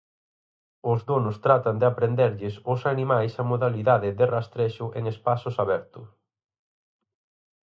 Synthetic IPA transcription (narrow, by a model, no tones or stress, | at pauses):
ʊzðonʊst̪ɾat̪and̪eapɾend̪ɛɾʎɪsʊsanimajsamoðaliðaðɪðɪrast̪ɾeʃʊʔeŋespasʊsaβɛɾt̪ʊ